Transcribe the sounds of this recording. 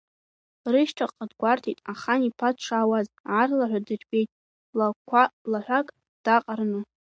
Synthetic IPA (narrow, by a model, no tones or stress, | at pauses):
rɨʃʈ͡ʂʰaqʼadɡʷartʰitʼaχanipʰatʂʰaːwazʕarlaħʷᶣadɨrbʼe̞jtʼ | lakʷʰalaħʷakʼ | d̥aqʼarnɨ